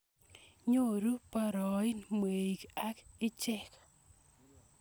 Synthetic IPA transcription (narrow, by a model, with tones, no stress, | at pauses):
ɲo˦˨ɾu˦pa˦ɾɔ˨ɪ˦nmwe˨i˨ka˦kɪ˦t͡ʃɛ˦k